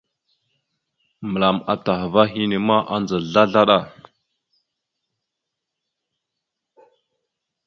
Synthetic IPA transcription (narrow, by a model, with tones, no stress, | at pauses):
mə˨la˨ma̰˨ta˨xva˦ɦi˦ne˨ma˦ʔa˦nd͡zə˨ɮa˦ɮa˦ɗa˦˨